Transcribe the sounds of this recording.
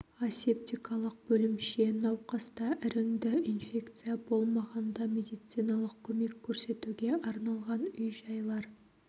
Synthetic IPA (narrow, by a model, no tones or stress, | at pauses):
asep̚t̪ijkʰɑlˠəq̚b̥ɵlɪmʃe̞nɑwqɑst̪ɑʔɪɾɪŋd̪ɪinfʲe̞kt̪sɨjabo̞lˠmɑʁɑnd̪ɑmʲe̞d̪ijt̪sɨjnɑlˠəqkʲʰɵme̞kʲʰːɵɾse̞t̪uɡʲe̞ʔɑɾnɑlˠʁɑnʏjʒɑjlˠɑɾ